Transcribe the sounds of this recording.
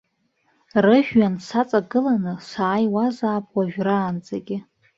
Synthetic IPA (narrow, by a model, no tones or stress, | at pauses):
rɨʒᶣɥansat͡sʼaɡɨlanɨsaːjwazaːpʰʼwaʒᶣraːnd͡zʼaɡʲɪ